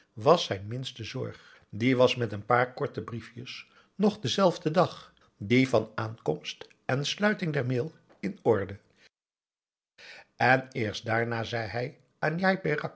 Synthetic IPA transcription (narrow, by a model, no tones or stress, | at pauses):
ʋɑsɛjnmɪnstəzɔ̰ɹχ | diʋɑsmɛtənpaːɹkɔɹtəbrifjəs | nɔχdəzɛlˠvdədɑχ | divɑnaːnkɔmst | ɛnslœɥtɪŋdɛɹmɪlˠ | ɪnɔɹdə | ʔɛnɪːɹs̚daːɹnaːzɛjɦɛj | aːnjajpɪrɑk